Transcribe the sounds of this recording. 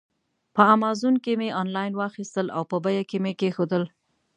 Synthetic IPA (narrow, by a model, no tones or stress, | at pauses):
pəamɑzunkemeʔɑnlɑjnwɑxist̪əlʔa̰wpəbajakemekexod̪əl